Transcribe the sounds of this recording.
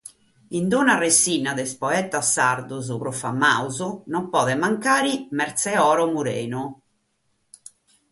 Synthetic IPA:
ind̪unaresiːnaðɛspɔɛt̪asːaɾd̪uzupɾɔfa̰mːa̰uzunɔmpɔːðɛmaŋkaːɾimɛɾt̪sɛɔːɾɔmuɾḛːnu

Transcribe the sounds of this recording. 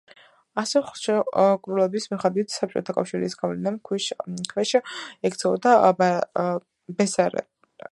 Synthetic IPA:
asɛχʃɛkʼɾulɛbismiχad̪wit̪ʰsap̚t͡ʃʼɔ̰t̪ʰakʼafʃiɾisɡavlɛnamkʰʃkʰvɛʃɛkt̪sʰɛɔd̪ab | bɛsaɾɛ̰

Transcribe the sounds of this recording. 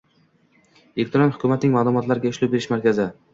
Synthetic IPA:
ekt̪ʰɾɒnhʊkʰʲʊmat̪nɪŋʲmaːlˠʊmɒt̪laɾɪɡʲaʊʃlʊbe̞ɾɪʃmaɾkʲazɪ

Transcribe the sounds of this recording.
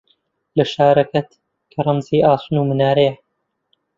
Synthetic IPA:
lɐʃaːɾɐkɐt̪ | kʰɐɾˤɐmziːʔaːsunuːmɨnaːɾejɐ

